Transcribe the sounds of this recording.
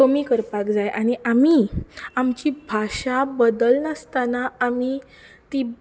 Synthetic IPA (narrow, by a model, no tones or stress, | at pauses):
əmikəɾpakd͡zajʔaɽ̃iʔamiamt͡ɕibʱaʂabəd̪əlnəst̪anaami | t̪i